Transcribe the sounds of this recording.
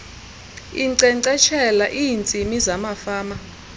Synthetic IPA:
iǀɛǀɛt͡ʃʰɛlaʔiːnt͡sʼimizamafaːma

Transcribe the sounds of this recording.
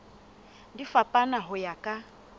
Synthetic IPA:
difapʼanaɦʊjakʼa

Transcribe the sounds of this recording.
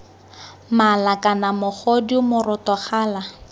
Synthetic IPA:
malakʼanamʊχodimʊrʊtɔχaːla

